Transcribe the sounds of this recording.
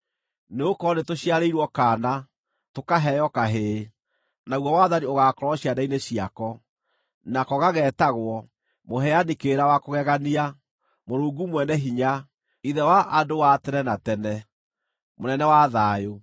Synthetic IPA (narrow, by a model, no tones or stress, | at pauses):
neokɔnetoɕiaɾeiɾwɔkaːna | tokaɦɛjɔkaɦe | nauɣwɔwaðanioɣaːkɔɾɔɕiadaineɕiakɔ | nakɔɣaɣɛːtaɣwɔ | moɦɛanikeɾawakoɣɛɣania | moɾuːŋɡumwɛnɛɦiɲa | iðɛwaʔadowatɛnɛnatɛnɛ | monɛnɛwaðaːjo